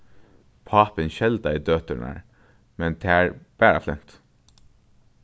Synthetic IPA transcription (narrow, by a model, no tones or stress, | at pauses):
pʰɑːpɪnɕɛld̪æɪd̪øːt̪əɳæ̰ɹ | mɛnt̪ʰeːæːɹb̥æːɹɑ̰flɛm̥t̪